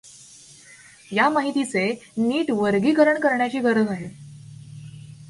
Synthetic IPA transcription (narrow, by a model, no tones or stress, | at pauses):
jamaɦit̪it͡seniːʈʋəɾɡiːkəɾəɳkəɾɳjat͡ɕiːɡəɾəd͡zaɦe